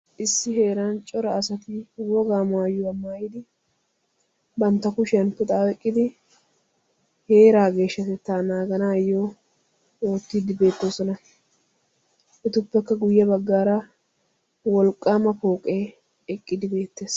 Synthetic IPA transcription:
ʔɪsːɪɦe̞ːɾant͡ʃʼɔɾɐːsɐt̪ɪwɔɡaːmaːjʊɐmːaːjɪd̪ɪ | bɐnt̪ːɐkʊʃɪɐnpʊt̪ʼaːɛkʼːɪd̪ɪ | he̞ːɾaːɡe̞ːʃːɐt̪ɛt̪ːaːnaːɡɐnaːjo | oːt̪ːid̪ɪbe̞ːt̪ːoːsɔnɐ | ʔɪt̪ʊpːɛkːɐɡʊjːɐbɐɡːaːɾɐ | wɔlkʼːaːmɐpoːkʼe | ɛkʼːɪd̪ɪbe̞ːt̪ːe̞ːs

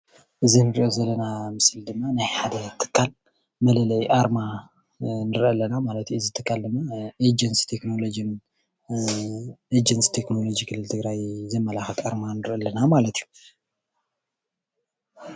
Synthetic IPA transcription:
ʔɨzinɨɾiʔo̞zɐlːɐnamɨsɨld̪ɨmːanajħad̪ɐt̪ʰɨ̥kʰːal | mɐlɐlɐjʔaɾma | nɨɾʔəlːɐnamalɐt̪juɨzit̪ʰɨkːald̪ɨmːaed͡ʒɐnsi̥t̪ʰekno̞lod͡ʒin | ed͡ʒɐnsi̥t̪ʰe̞kno̞lo̞d͡ʒikʰɨlːɨlt̪ʰɨɡɾajzɐmːɐlaxɐt̪aɾmanɨɾʔɐlːɐnamalɐt̪ʰiju

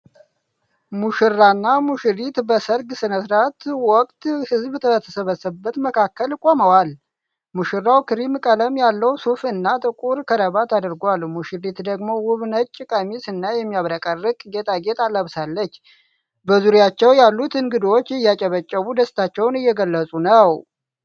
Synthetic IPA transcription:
muʃɨrːanːamuʃɨɾit̪bəsəɾɡsɨnəsɾat̪wɔkʼt̪hɨzbt̪ʰəət̪ʰəsəβəsəbːət̪məkʰakːəlkʼoməwal | muʃɨrːawkʰɨɾimkʼələmjalːəwsufɨnːat̪ʼɨkʼuɾkʰəɾəβat̪ʰad̪ɨɾɡʷalmuʃiɾit̪d̪əɡmo̞wʊβnət͡ʃʼːɪkʼəmisɨnːajɛmːijaβɾəkʼərɨkʼɡe̞t̪ʼʰaɡe̞t̪ʼaləβsalːət͡ʃː | bəzuɾjat͡ʃːɛwjalːut̪ɨŋɡɨd̪wot͡ʃːɪjːat͡ʃʼəβət͡ʃʼːəβud̪əst̪ʰat͡ʃːɛwnɨjːɛɡəlːəsʼunəw

